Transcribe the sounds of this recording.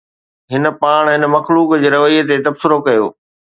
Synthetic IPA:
ɦɪnə̆paːɽ̃ɦɪnə̆mɐxluːkd͡ʑeːɾɐʋəiːt̪et̪ɐbsɪɾokɐjo̰ː

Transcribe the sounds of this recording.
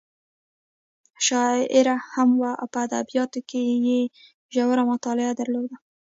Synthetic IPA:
ʃɑɪɾahamwaʔa̰wpəad̪a̰bijɑt̪okeje | ʒawəɾamʊt̪ɑlɪad̪aɾlod̪a

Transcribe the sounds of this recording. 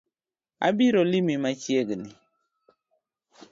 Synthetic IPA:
a̰biɾolimimat͡ʃjeɡni

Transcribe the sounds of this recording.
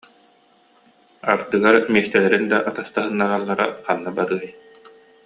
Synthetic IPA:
aɾd̪ɯɡaɾmiːst̪ɛlɛɾind̪aʔat̪ast̪aɦɯnːaʁalˠːaɾaqanːabaɾɯːj

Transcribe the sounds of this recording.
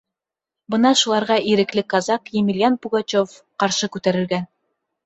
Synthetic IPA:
bɤnɑʃulˠɑɾʁɑʔiɾɘ̆klɘkɑzɑqjemilʲjanpuɡat͡ɕof | qɑɾʃɤkʉt̪æɾɘ̆ɾɡæn

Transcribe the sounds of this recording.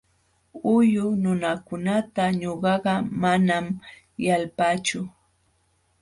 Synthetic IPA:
ʊjʊnʊnakʊnat̪aɲoɢɑɢɑmanam | jalpat͡ʃʊ

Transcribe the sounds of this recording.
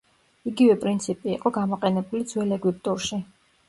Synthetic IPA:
iɡivɛpʼɾint̪sʰipʼiːqʼɔɡamɔqʼɛnɛbulid̪zwɛlɛɡwip̚ʼt̪ʼuɾʃi

